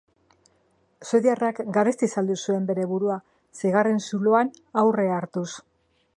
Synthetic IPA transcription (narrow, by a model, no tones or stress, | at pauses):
seðiarakɡaɾest̪isald̪usue̞mbe̞ɾe̞βuɾua | sejɣare̞nsuloanawre̞aɾt̪us